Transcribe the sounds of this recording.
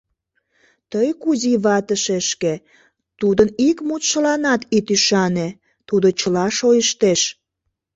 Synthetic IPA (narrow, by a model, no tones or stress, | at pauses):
t̪əjkuziβɑt̪əʃeʃke | t̪ud̪ənikmut̪ʃəlɑnɑt̪it̪yʃɑne | t̪ud̪ot͡ɕəlɑʃojəʃt̪eʃ